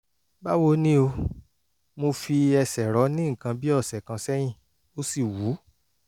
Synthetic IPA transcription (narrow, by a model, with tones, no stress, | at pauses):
ba˦wo˧nĩ˦o˧ | mo˧fi˧ɛ˧sɛ˨ɾɔ˨˦nĩ˦ŋ̩˨kã˧bi˦ɔ˦˨sɛ˨kã˧sɛ˦j̃ĩ˦˨ | o˦si˦˨wu˨˦